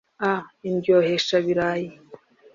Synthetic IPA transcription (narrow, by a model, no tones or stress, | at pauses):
ainbjoheʃaβiɾaːji